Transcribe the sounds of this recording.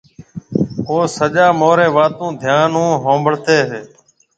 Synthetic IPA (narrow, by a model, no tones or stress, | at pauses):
oːsəʄaːmoːɾeːʋaːt̪ũːd̪ʱjaːnũːɦõːmbəɽt̪eːɦeː